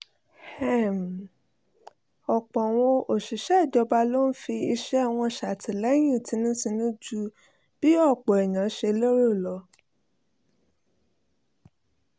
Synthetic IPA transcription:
hɛ˦˨m˨ | ɔ˨k͡pɔ̃˨w̃ɔ̃˧ʔo˨ʃi˨ʃɛ˦˨d͡ʒɔ˧ba˧lo˦n̩˦fi˧i˧ʃɛ˦˨w̃ɔ̃˧ʃa˨ti˨lɛ˨˦j̃ĩ˦˨ti˧nũ˦sĩ˧nũ˦d͡ʒu˧˦ | b̥i˦ɔ˦˨k͡pɔ˨ɛ˨j̃ã˨˦ʃe˧lo˦ɾo˦˨lɔ˧

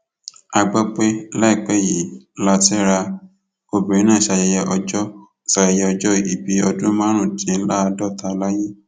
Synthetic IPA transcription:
a˧ɡ͡ba˦k͡pe˦lɛ˦i˨k͡pɛ˨˦˨ji˨˦la˦ti˦ɾa˧ | o˧be˨ĩ˨˦nãː˦˨ʃa˧jɛ˧jɛ˧ʔɔ˧d͡ʒɔ˦˨ | ʃa˨jɛ˧jɛ˧ɔ˧d͡ʒɔ˦i˨bi˨˦ɔ˧dũ˦mã˦ɾ̃ũ˦˨tĩ˨˦n̩˦la˦˧dɔ˦˨ta˧la˦jĩ˦

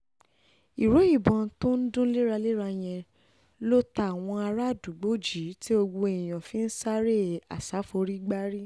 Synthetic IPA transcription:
i˨ɾo˨˦i˦˨bɔ̃˨˧˦to˦n̩˦dũ˦le˦ɾa˧le˦ɾa˧j̃ɛ̃˧ | lo˦ta˦˨w̃ɔ̃˧a˧ɾa˦˨du˨ɡ͡bo˨˦d͡ʒi˨˦ti˦o˧ɡ͡bo˧e˨j̃ã˨fĩ˦n̩˦sa˦ɾe˦˨a̰˨sa˨˦fo˧ɾi˦ɡ͡ba˦ɾi˦

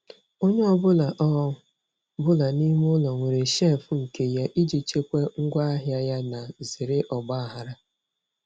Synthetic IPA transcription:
o˦ɲe˦ɔ˦bʊ˦la˨ʔɔ˦ | bʊ˦la˨ni˦m˦ʊ˦lɔ˨ŋʷe˨ɾe˨ʃe˦˨fʊ˨˦ŋ̩˨ke˨ja˦ʔi˦d͡ʒi˨t͡ʃe˦kʷe˦ŋ̩˦ɡʷa˦a˦ɦja˦ja˦na˨zi˨ɾɪ˦ʔɔ˨ɡ͡ba˦a˨ɦa˦ɾa˦

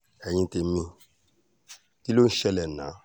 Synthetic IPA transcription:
ɛ˨ɲ̃ĩ˧te˧˦mĩ˧ | ki˦lo˦n̩˦ʃɛ˧˨lɛ˨nã̰˨˦

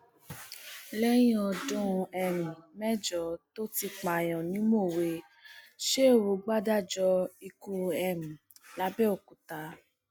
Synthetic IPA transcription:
lɛ˦j̃ĩ˦ɔ˧dɔ̃˦˧ɛ˧˨mĩ˨mɛ˦d͡ʒɔ˨˦to˦ti˧k͡pa˨j̃ɔ̃˨nĩ˨˦mo˦˨we˧ | ʃe˦o˦˨wo˨˧ɡ͡ba˦da˦˨d͡ʒɔ˧i˧ku˧˦ɛ˨mĩ˨la˨˦bɛ˦o˦˨ku˨ta˧˦

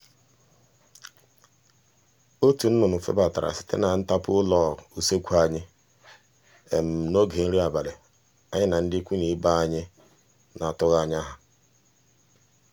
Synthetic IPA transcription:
o˦tu˨n̩˦nʊ˨nʊ˨fḛ˦ba˨ta˨ɾa̰˨sɪ̥˨tḛ˦na˨n̩˦ta˦pʊ˦lɔ˦˨u˨se˦kʷu˦a˦ɲɪ˦ | e˨m̩˨no˦ɡe˨n̩˦ɾi˦a˨ba˨le˨ | a˦ɲɪ˦na˨n̩˦dɪ˦kʷu˦ni˨˦ba˦a˦ɲɪ˦ | na˨tʊ˦ɣa˦˨ɲ˦a˦ɦa˨

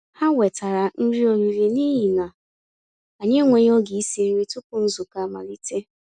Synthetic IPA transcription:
ha˦we˨ta˨ɾa˨n̩˦ɾi˦o˨ɾi˨ɾi˨ni˦ɦi˨na˨ | a˨ɲe˦ŋʷe˨ɲ˦ɔ˦ɡi˨i˦si˨n̩˦ɾi˦tʊ˦kʊ˨n̩˦zʊ˨ka˦ma̰˨li˨te˦

